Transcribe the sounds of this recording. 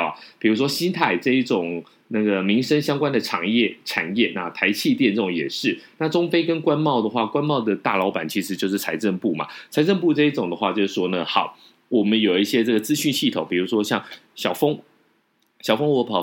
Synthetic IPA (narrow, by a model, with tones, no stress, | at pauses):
pi˨˩ɻu˧˥ʂwɔ˥ɕi˥nt̪ʰa˥˩ɪʈ͡ʂɤ˥˧i˥˩ʈ͡ʂʊ˨˩ŋ | na˥˩ɡə˩mi˧˥ŋʂə˥ŋɕjɑ˥ŋkwa˥nd̪ə˨ʈ͡ʂʰɑ̰˨˩˦ŋjɛ˥˩ʈ͡ʂʰa̰˨˩njɛ˥˩na̰˥˩t̪ʰa˧˥ɪt͡ɕʰi˥˧t̪jɛ˥˧nʈ͡ʂə˥˩ʊ˨˧ŋ˧jɛ̰˨˩ʂɻ̩˥˩na˥˩ʈ͡ʂʊ˥ŋfe˥ɪkə˥nkwa˥nmɑ˥˩ʊd̪ə˩xwa˥˩kwa˥nmɑ˥˩ʊd̪ə˩t̪a˥˩lɑ˧˥ʊpa˨˩nt͡ɕʰi˧˥ʂɻ̩˧˥t͡ɕjo˥˧ʊʂ̬ɻ̩˥˩t͡sʰa˧˥ɪʈ͡ʂə˥˧npu˥˩mɐ̰˩t͡sʰa˧˥ɪʈ͡ʂə˥˧np̬u˥˧ʈ͡ʂɤ˥˧i˥˩ʈ͡ʂʊ˨˩ŋd̪ə˦xwa˥˧t͡ɕjo˥˧ʊʂɻ̩˥˩ʂwɔ˥nə˨xɑ˨˩ʊ | wɔ˨˩mə˦njo˨˩ʊi˥˩ɕjɛ˥ʈ͡ʂɤ˥˩ɡə˩t͡sɹ̩˥ɕy˥˧nɕi˥˩t̪ʰo˨˦ŋpi˨˩u˧˥ʂwɔ˥ɕjɑ˥˩ŋɕjɑ˨˩ʊfɤ˥ŋ | ɕjɑ˨˩ʊfɤ˥ŋwɔ˧˥pʰɑ˨˩ʊ